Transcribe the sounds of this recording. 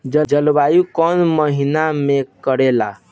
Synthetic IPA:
d͡ʒəd͡ʒəlbajukənməɦinamekəɾela

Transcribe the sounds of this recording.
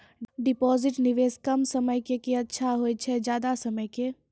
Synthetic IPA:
ɖipɔziʈniʋeskəmsəməjkekeətːʃʰaɦojt͡ʃʰɛd͡ʒjad̪asəməjke

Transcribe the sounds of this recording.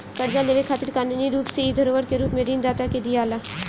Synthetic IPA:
kəɾd͡ʒaleːʋekʰaːt̪ɪɾkaːnuniɾuːpseid̪ʱəɾoːʋəɾkeɾuːpmẽɖiːnd̪aːt̪aked̪ijaːla

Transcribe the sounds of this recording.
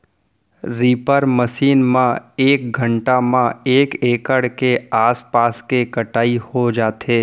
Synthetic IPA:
ɾiːpəɾməʃiːnmãeːk̚ɡʱə̃ɳʈamãeːkeːkəɽkeaːspaːskekəʈaːihod͡ʒaːt̪ʰeː

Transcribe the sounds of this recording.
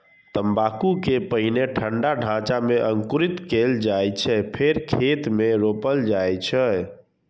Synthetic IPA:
t̪əmbakukepəɦineʈʰəɳɖaɖʱãt͡ʃameʔəŋkuɾit̪keld͡ʒajt͡ʃʰɛpʰeɾkʰet̪meɾopəld͡ʒajt͡ʃʰɛ

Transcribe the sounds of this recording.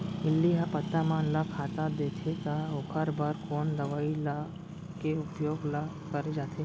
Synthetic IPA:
ɪlːiɦapət̪ːamãnlakʰat̪ad̪et̪ʰet̪aokʰaɾbaɾkond̪əʋaila | keupjoɡla | kəɾed͡ʒat̪ʰe

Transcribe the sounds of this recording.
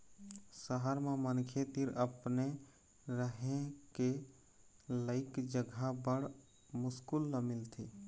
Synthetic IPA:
səɦəɾmemənkʰet̪iɾəpne | ɾəɦẽke | ləɪkd͡ʒəɡʱabəɽ | mʊskulːəmɪlt̪ʰi

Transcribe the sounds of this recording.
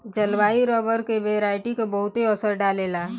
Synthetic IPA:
d͡ʒɐlʋaːiɾɔːbəɾkeʋeːɾaːɪʈikobɐɦʊt̪eɔsəɾɖaːleːlaː

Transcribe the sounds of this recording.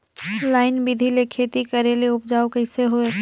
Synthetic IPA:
laːɪnbid̪ʱilekʰeːt̪ikɐɾeleʊp̚d͡ʒaːokɐɪseɦoe

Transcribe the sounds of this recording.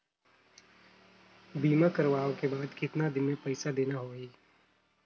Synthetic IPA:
biːmakɐɾʋaːõkebaːd̪kɪt̪nad̪ɪnmẽpɐɪsad̪eːnaɦoːɡiː

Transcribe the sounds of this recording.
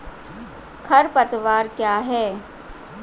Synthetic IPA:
kʰɐɾpɐt̪ʋaːɾkjaːɦɛː

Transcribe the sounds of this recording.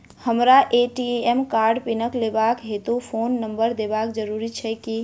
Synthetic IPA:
həmɾaʔeʈiemkaɾɖpinəklebakɦet̪opʰonːəmbəɾd̪ebakd͡ʒəɾuɾit͡ʃʰɛki

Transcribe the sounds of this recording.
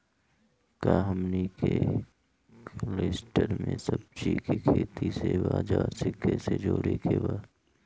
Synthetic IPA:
kaːɦəmnike | leːsʈəɾmẽsəb̚t͡ʃikikʰeːt̪isebaːd͡ʒaːɾsɪkːesed͡ʒoːɽekebaː

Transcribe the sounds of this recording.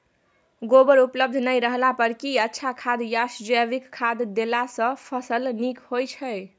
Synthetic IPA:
ɡobəɾupləb̚d̪ʱnəjɾəɦlapəɾkiətːʃʰakʰad̪jasd͡ʒbikʰːad̪d̪elasə̃pʰəsəlnikhojt͡ʃʰəj

